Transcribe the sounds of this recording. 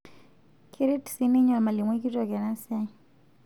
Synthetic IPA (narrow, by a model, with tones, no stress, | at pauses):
kʰiɾiti̥sini˦ɲa˨lma˨li˨mwiki˦tɔka˨na˦sa